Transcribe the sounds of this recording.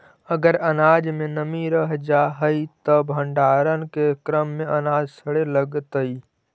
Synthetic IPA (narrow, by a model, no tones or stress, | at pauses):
əɡəɾənad͡ʒmẽnəmiɾəɦd͡ʒaɦəit̪əbʱəɳɖaːɾənkekɾəmːẽʔənaːd͡ʒsʰəɽeləɡt̪əi